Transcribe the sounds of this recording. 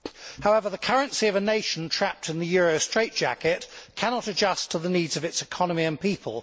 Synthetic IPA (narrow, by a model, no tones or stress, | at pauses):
haʊɛvəðəkʰʌɹə̃nsiəvəneɪʃə̃n̩tʰɹ̥æp̚tʰɨ̃nðəjɔːɹəʊstɹ̥eɪʔ̚d̥ʒ̥æ̰kɪʔkʰænɒtəd͡ʒʌstʰəðəniːdzəvɨtsɪkʰɒnəmiə̃npiˑpʰə̰lˠ